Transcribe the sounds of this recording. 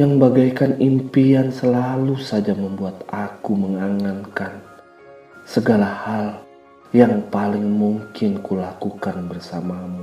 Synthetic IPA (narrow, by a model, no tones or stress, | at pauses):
jaŋbaɡajkanimpiansəlalusad͡ʒaməmbuat̪̚akuməŋaŋankan | səɡalahal | jaŋpalɪŋmuŋkɪnkulakukanbərsamamu